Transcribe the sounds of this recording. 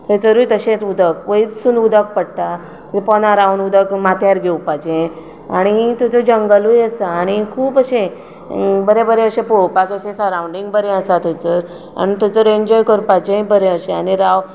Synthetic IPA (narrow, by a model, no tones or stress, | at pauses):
t̪ʰəjt͡səɾujt̪əɕẽt̪ud̪əkʋəit͡ssunud̪ək̚pəɽt̪a | t̪əẽpɔnaɾaunud̪əkmat̪ʰjaɾɡʱeupad͡ʑẽ | aɽ̃it̪ət͡səd͡ʑəŋɡəlujəsaːɽ̃ikʰuːpəɕẽ | bəɾẽbəɾeəɕẽpowpak̪əɕẽsəɾawuɳɖiŋɡbəɾẽəsat̪ʰət͡səɾ | a̰nit̪ət͡səɾeɲd͡ʑɔjkəɾpajd͡ʑẽbəɾeəɕẽañiɾaʋ